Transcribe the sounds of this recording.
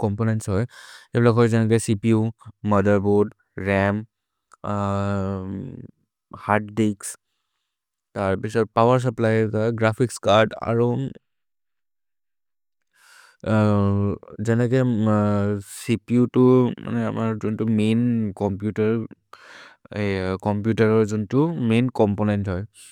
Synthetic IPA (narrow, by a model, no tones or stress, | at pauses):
kɔmponɛntsɦɔjebilakɦɔjzɛnɛk̬esipiumʌd̪əɹbud | ɹɛm | haʈdiks | taɹpisɔpawəɹs̬əplajtaɡɹapʰikskaɹda̰ɹu | zɛnɛkɔ | sipiutʊma̰nɛa̰maɹzuntʊmenkɔmpjutaɹ | kɔmpjutaɹɔɹzuntʊmenkɔmponɛntɦɔj